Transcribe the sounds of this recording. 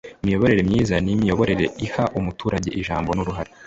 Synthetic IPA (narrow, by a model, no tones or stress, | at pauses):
imijo̞βo̞ɾe̞ɾemɲiːzanimijo̞βo̞ɾe̞ɾe̞ihaʔumutuːɾaɟe̞ʔiʒaːmbo̞nuɾuɦaɾa